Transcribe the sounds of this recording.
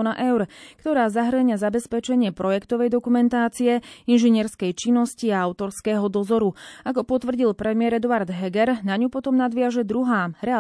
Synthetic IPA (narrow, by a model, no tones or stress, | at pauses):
naʔɛʊɾkt̪ɔɾaːzaɦɾəɲazabɛspɛt͡ʃɛɲɪɛpɾɔjɛkt̪ɔʋɛjd̪ɔkumɛnt̪aːt͡siɛinʒɛɲɪɛɾskɛjt͡ʃinːɔsciaaʊt̪ɔɾskɛːɦɔd̪ɔzɔɾuakɔpɔt̪ʋr̩ɟilpɾɛmɪɛɾɛd̪uaɾd̪ɦɛɡɛɾnaɲupɔt̪ɔmnad̪ʋɪaʒɛd̪ɾuɦaːɾɛ